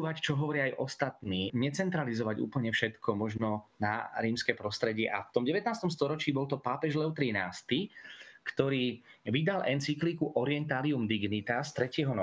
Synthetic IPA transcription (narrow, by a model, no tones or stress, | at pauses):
ʋact͡ʃɔɦɔʋɔɾɪaːjʔɔst̪at̪niːɲɛt͡sɛnt̪ɾalizɔʋaɟṵːpl̩ɲɛfʃɛt̪kʰɔmɔʒnɔnaɾiːmskɛːpɾɔst̪ɾɛɟɪɛʔa̰ft̪ɔmɟɛʋɛt̪̚naːst̪ɔmst̪ɔɾɔt͡ʃiːbɔlt̪ɔpaːpɛʒlɛʊt̪ɾinaːst̪ikt̪ɔɾiːʋid̪alʔɛnt͡siklikuʔɔɾɪɛnt̪aːliumd̪iɡnit̪ast̪ɾɛcɪɛɦɔnɔ